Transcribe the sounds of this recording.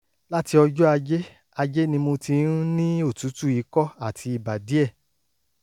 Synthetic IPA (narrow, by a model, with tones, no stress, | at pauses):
la˦ti˧ɔ˧d͡ʒɔ˦a˧d͡ʒe˦ | a˧d͡ʒe˦nĩ˧mõ˧tĩ˧˦nĩ˦o˦˨tu˨˦tu˦˨i˨˦kɔ˦a˦˨tʰi˧i˨ba˨di˨˦ɛ˦˨